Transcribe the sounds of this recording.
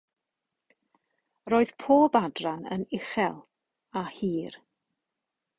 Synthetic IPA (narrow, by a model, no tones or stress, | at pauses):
roːɨð̥pʰoːbadranə̰nɪχɛlˠ | ahiːr